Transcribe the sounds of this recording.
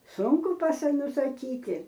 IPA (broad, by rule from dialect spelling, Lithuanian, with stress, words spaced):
ˈsʊŋkʊ pɐsɐ nʊsɐˈkʲiːtʲɪ